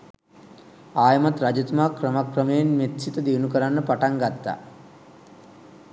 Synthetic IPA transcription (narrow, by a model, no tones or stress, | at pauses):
aːjəmat̪ɾad͡ʒut̪maːkrəmakrəməjenmet̪sit̪əd̪iunukəɾanːəpaʈaŋɡat̪ːa̰